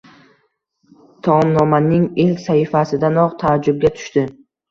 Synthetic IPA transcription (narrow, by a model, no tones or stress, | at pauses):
t̪ʰɒmnɒmanɪŋelkʲsahifasɪd̪anɒqt̪ʰad͡ʒːʊb̚ɡʲat̪ʰʊ̥ʃt̪ɪ